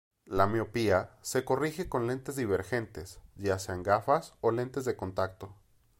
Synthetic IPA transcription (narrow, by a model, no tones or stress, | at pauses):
lameopiase̞ko̞rixe̞ko̞nle̞nt̪e̞zðiβe̞ɾxe̞nt̪e̞sʝase̞aŋɡafasole̞nt̪e̞zðe̞ko̞nt̪ak̚t̪o̞